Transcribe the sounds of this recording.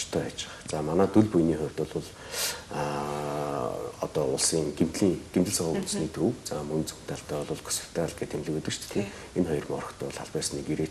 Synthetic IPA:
t͡ɕt̪ʰœːat͡ɕɪ̥̆χt͡samanæːt̪uɮpujniːχʊw̥ʲt̪ʊ̆ɮʊɮ | ɔ̰t̪ɔːʊɮsiːŋɡimt̪ɮiːŋɡ̥emt̪ɘ̆ɮsɔʁɔːun̆sniːt̪ʰruwt͡samɵnt͡sɵ̥m̥t̪ʰaɬt̪œːɔɮʊːɮkʰʊ̥sə̥̆w̥t̪ʰːæːaɮɡeːt̪ʰemɮɘ̆kɵt̪ɘ̆t͡ɕt̪ʰt̪ʰĕ | enχɔjɞ̆rmɔrɞ̆xt̪ʰœːɮaɮpæːsnikiɾeː

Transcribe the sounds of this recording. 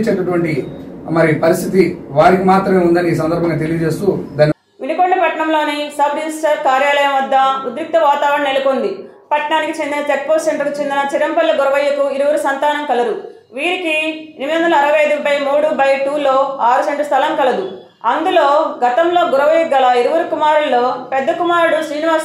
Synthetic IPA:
t͡ʃeːʈɐʈuʋɐɳʈi | mɐɾipɐɾist̪ʰit̪iʋaːɾikimaːt̪ɾɐmeːund̪ɐniːs̬ɐnd̪ɐɾbʱɐŋɡaːt̪e̞lijɐd͡ʒe̞ːst̪uːd̪aːnːi | ʋinukoɳɖɐpɐʈɐɳɐmlo̞ːnisɐbɾisʈɐɾkaːɾjaːlɐjɐmʋɐd̪ːɐud̪ɾuk̚t̪ɐʋaːt̪aːʋɾɐɳɐneluko̞nd̪i | pɐʈɳaːnikit͡ʃe̞nd̪inɐt̪eʈ̚poːsseɳɖɾɐkut͡ʃe̞nd̪inɐt͡ʃiɾɐmpɐlːɐɡɔɾɐʋɐjɐkuiɾuʋɐɾusɐnt̪aːnɐmkɐlɐd̪u | ʋiːɾikieɾmid̪ɐnd̪ɐlɐːɾɐʋɐjɐjd̪ubɐjmuːɽubɐjʈuːlo̞ːaːɾuseɳʈɾɐst̪ʰɐlɐmkɐlɐd̪u | ɐnd̪ulo̞ːɡɐt̪ɐmlo̞ːɡuɾɐʋɐjɐɡːɐlɐiɾuʋɐɾukumaːɾuɭːoːpɛd̪ːɐkumaːɾuɽusɾiːniʋaːɾs

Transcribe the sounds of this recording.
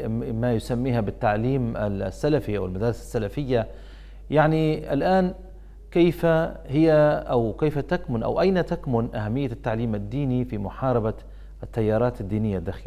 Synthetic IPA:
majʊsamːiːhabɪt̪ːaʕliːma̰sːalafiʔa̰wɪlmad̪ɑːɾɪsasːalafɪjːa | jaʕnia̰lʔaːn | kajfahɪjaʔawkejfat̪akmʊnʔa̰wʔajnat̪akmʊnʔahamːɪjːat̪ːaʕliːmad̪ːiːnifimʊħɑːɾˤɑba | ʔat̪ːajːɑːɾˤɑːt̪ad̪ːiːnɪjːad̪ːaːx

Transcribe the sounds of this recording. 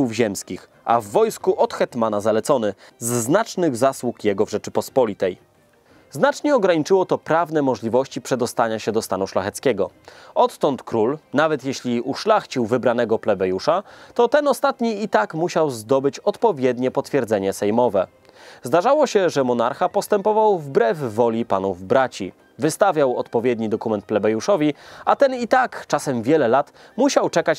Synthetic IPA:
uvʑɛmskʲix | a̰vːɔjskuʔɔt̪xɛt̪manazalɛt̪sɔnɘzːnat͡ʂnɘɣzaswukjɛɡɔvʐɛt͡ʂɘpɔspɔlʲit̪ɛj | znat͡ʂɲɛɔɡɾaɲit͡ʂɘwɔt̪ɔpɾavn̪ɛmɔʐlʲivɔɕt͡ɕipʂɛd̪ɔst̪aɲaɕɛd̪ɔst̪anuʂlaxɛt̪skʲɛɡɔɔt̪ːɔnt̪kɾulnavɛt̪jeɕlʲiejʔuʂlaxt͡ɕiwvɘbɾanɛɡɔplɛbɛjuʂat̪ɔt̪ɛnɔst̪at̪ɲiit̪akmuɕawzd̪ɔbɘt͡ɕɔt̪pɔvʲjɛd̪ɲɛpɔt̪fʲjɛɾd̪zɛɲɛsɛjmɔvɛ | zd̪aʐawɔɕɛʐɛmɔnaɾxapɔst̪ɛmpɔvawvbɾɛvːɔlʲipanuvbɾat͡ɕi | vɘst̪avʲjawɔt̪pɔvʲjɛd̪ɲid̪ɔkumɛnt̪̚plɛbɛjuʂɔvʲiat̪ɛnit̪akt͡ʂasɛmvʲjɛlɛlat̪ | muɕawt͡ʂɛkat͡ɕ

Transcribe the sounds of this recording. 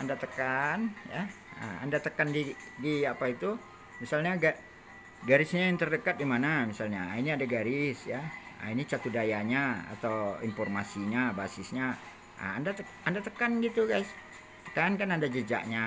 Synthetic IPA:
andat̪əkanja | ə̰a̰ndat̪əkandidiapait̪u | misalɲaɡaʔ | ɡaɾɪsɲajaŋt̪ərdəkat̪̚dimanamisalɲainiadaɡaɾɪsja̰init͡ʃat̪udajaɲaa̰t̪awḭnfɔrmasiɲabasɪsɲa | ə̰andat̪ə | andat̪əkanɡit̪uɡajs | t̪ə̥kankanandad͡ʒəd͡ʒa̰ʔɲa

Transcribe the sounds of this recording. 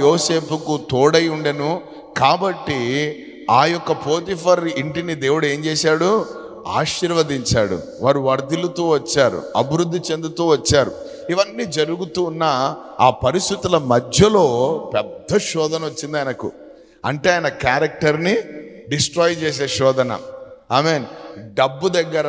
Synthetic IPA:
joːse̞ːpukut̪ɔːɽɐjuɳɖɐnu | kaːbɐʈːi | aːjɔkːɐpoːt̪ipʰɐɾiɳʈinid̪e̞ːwuɽue̞ːmt͡ʃɛːsaːɽu | a̰ːʃiɾʋɐd̪iɲt͡ʃaːɽṵ | ʋaːɾuʋɐɾd̪ilut̪oːʋɐt͡ʃːaːɾṵɐ̰biɾud̪ʱːit͡ʃe̞nd̪ut̪uːʋɐt͡ʃːaːɾu | iʋɐnːiːd͡ʒɐɾuɡut̪uːnːɐ | aːpɐɾist̪it̪ulɐmɐd̪ʱjɐlo̞ːpɛd̪ːɐʃɔːd̪ɐnɐot͡ʃːind̪ɐjnɐkṵ | ɐ̰ɳʈe̞ːaːjinɐkaːɾɐk̚ʈɐɾni | ɖisʈɾɔːjt͡ʃɛːs̬eːʃɔːd̪ɐnɐ̰aːmeːnɖɐbːud̪ɐɡːɐɾɐ

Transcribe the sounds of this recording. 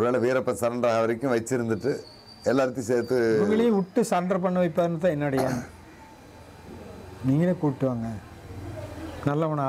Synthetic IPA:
ɔɾɯʋeːɭlɐʋiːɾɐpːɐsɐɾɐɳɖɾaːɣɐʋɐɾɪkʲːʊ̃ʋɐɪt͡ʃːɪɾɯnd̪ɯʈːɯ | ɛlːaːɾt̪ːĩseːɾt̪ːɯʋɐŋɡɐɭɐjʊ̃ʊʈːɯsɐːɾɐnɖɾɐp̬ɐɳːɯʋɐɪpːaːðɪnɐt̪ːãːɛnːaːɽɪjaː | niːŋɡɐleːkuːɽʈːɯʋaːŋɡɐ | nɐlːɐɐnː

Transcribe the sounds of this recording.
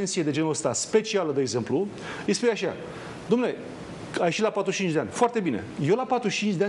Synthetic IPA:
ensied̪e̞d͡ʒe̞nuləst̪aspe̞t͡ʃialəd̪eɡze̞mplu | ɨjspujeaʃa̰ | d̪omele | ajʃilapat̪ɾuʃt͡ʃint͡ʃd̪eanʲfoart̪e̞bine̞̰je̞wlapat̪ɾut͡ʃint͡ʃʲd̪ea

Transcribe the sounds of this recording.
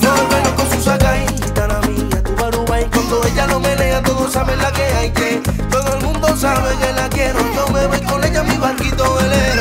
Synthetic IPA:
oepenokõnsusakaji | t̪aɾamiɲat̪uβaɾuβajkwand̪oeʎanomeneat̪oðosaβelakeajke | t̪oðoelmũnd̪osaβeɣelakjeɾoɲowmeβojkoneʎamĩβaɾkit̪oele

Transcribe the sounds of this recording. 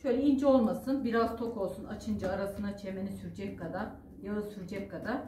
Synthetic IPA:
ʃø̞jlʲɛind͡ʒo̞lˠmasɯnbiɾaz̥t̪ʰo̞kʰo̞lˠsunat͡ʃʰɯnd͡ʒaːɾasɯnd̪at͡ʃʰe̞menisyɾd͡ʒɛckad̪aɾ | jaɯsyɾd͡ʒɛckʰad̪aɾ̥

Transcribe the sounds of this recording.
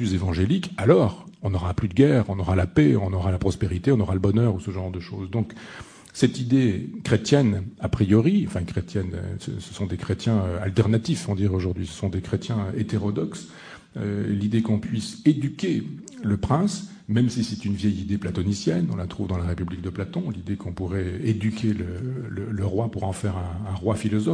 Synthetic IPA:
yzevɑ̃ʒelikalɔʁɔ̃nɔʁaplyd̪əɡʲɛʁɔ̃nɔʁalapeɔ̰̃nɔʁalapχɔspeʁit̪eɔ̃nɔʁaləbɔnœʁusəʒɑ̃ʁd̪əʃo̰zd̪ɔ̃k | sɛt̪id̪ekχet̪jɛnapχijɔʁiɑ̃fɛ̃kχet̪jɛnø̰sə̰sə̥sɔ̃d̪ekχet̪jɛ̃øa̰lt̪ɛʁnat̪ifɔ̃d̪iʁoʒuʁd̪ɥisə̥sɔ̃d̪ekχet̪jɛ̃et̪eʁɔd̪ɔks | ø̰lid̪ekɔ̃pɥised̪ykʲe | ləpχɛ̃s | mɛmsisɛt̪ynvjɛjid̪eplat̪ɔnisjɛnɔ̃lat̪χuvd̪ɑ̃laʁepyblik̚d̪əplat̪ɔ̃lid̪ekɔ̃puʁɛed̪ykʲʰelələləʁwapuʁɑ̃fɛʁɛ̃ːʁwafilɔzɔ

